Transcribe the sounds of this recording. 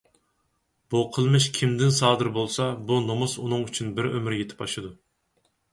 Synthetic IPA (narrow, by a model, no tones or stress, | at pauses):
b̥uqʰəlˠmɨʃkʲʰimd̪ɪnsɑːd̪ɨɾbolˠsɑbunomɨsunɨŋyt͡ʃʰynbɪɾømɾjet̪ʰɪ̥pɑʃɨd̪u